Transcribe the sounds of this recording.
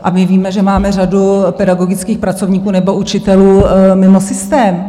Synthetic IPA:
ʔamɪviːmɛʒɛmaːmɛradupɛdaɡo̞ɡɪt͡skiːxpɾat͡so̞vɲiːkuːnɛbo̞ut͡ʃɪt̪ɛluːmɪmosɪst̪ɛːm

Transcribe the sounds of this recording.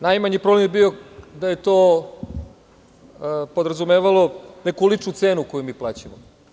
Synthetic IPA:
najmaɲipɾoblemjebiod̪aje̞t̪oː | po̞d̪ɾazumeːʋalo̞nekuulit͡ʂnut̪seːnukojumiːplˠaːt͡ɕamo

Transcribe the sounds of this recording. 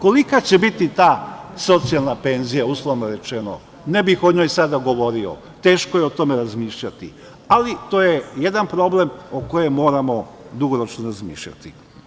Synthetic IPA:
ko̞likat͡ɕe̞bit̪it̪aːso̞t̪sialˠnape̞nzijauslˠoʋnoɾe̞t͡ʃeno̰ | nebixoɲo̞jsad̪aɡo̞ʋo̞ɾio̰ | t̪e̞ːʃkojeot̪o̞meɾazmiːʃʎat̪i | alit̪o̞ːjejed̪anpɾo̞ble̞moko̞jemo̞ːɾamo̞ | d̪uɡoɾo̞t͡ʃnoɾazmḭːʃʎa̰t̪i

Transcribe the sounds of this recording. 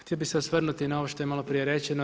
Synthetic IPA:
t̪ielbiseosʋr̩nut̪inao̞ʋoʃt̪o̞jemalopɾijeɾet͡ɕeno

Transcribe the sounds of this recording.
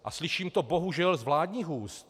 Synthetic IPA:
ʔa̰slɪʃiːmt̪o̞bo̞ɦuʒɛlzvlaːdɲiːɦuːst̪

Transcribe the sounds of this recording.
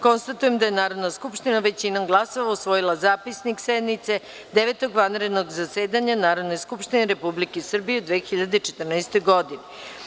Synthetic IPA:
ko̞nst̪at̪ujemd̪ajenaːɾo̞d̪naskupʃt̪inaʋet͡ɕinoɡlˠaso̞ʋausʋojilˠazaːpisniksed̪nit̪se̞ | d̪eʋet̪o̞ɡʋanɾed̪noɡzaseːd̪aɲanaːɾo̞d̪no̞jskupʃt̪ineɾe̞publikesr̩bijeud̪ʋeːxiʎad̪et͡ʃet̪rnaest̪o̞jɡo̞d̪ine

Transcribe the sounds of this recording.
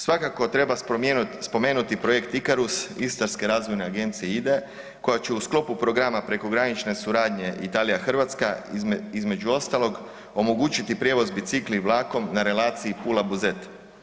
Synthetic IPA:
sʋakako̞t̪ɾe̞baspo̞me̞ːnut̪ipɾo̞je̞kt̪ikaɾusist̪aɾske̞ɾaːzʋo̞jneaɡe̞nt̪sijeid̪e | ko̞jat͡ɕeusklo̞pupɾo̞ɡɾamapɾe̞ko̞ɡɾanit͡ʃne̞suɾaːd̪ɲe̞ʔit̪aːlijaxr̩ʋat̪skaizme̞d͡ʒuo̞st̪aloɡ | o̞mo̞ɡuːt͡ʃit̪ipɾje̞ʋo̞zbit̪sikliʋlˠaːko̞mnaɾe̞laːt̪siipulabuze̞t̪

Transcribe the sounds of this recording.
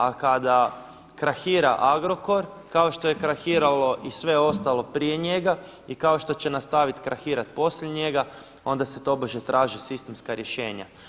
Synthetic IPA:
akad̪a | kɾaxiːɾa̰ʔaɡɾo̞ko̞ɾ | kao̞ʃt̪o̞je̞kɾaxiːɾalo̞ʔisʋe̞o̞st̪alo̞pɾije̞ɲe̞ɡa | ikao̞ʃt̪o̞t͡ɕe̞nast̪aʋit̪kɾaxiːɾat̪po̞sʎeɲe̞ɡa | o̞nd̪aset̪o̞boʒet̪ɾʔaːʒisist̪e̞mskaɾje̞ʃe̞ːɲa̰

